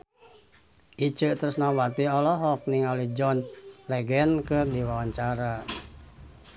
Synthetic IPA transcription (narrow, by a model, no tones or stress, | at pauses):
ʔit͡ʃət̪əɾusnawat̪iɔlɔɦɔk̚niŋalihd͡ʒɔnlɛɡɛnkɨrdiwawaɲt͡ʃaɾa